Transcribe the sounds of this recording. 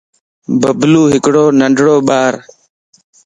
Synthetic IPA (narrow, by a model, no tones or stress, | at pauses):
bəbluːɦɪkɽoːnəɳɖʱɽoːɓaːɾ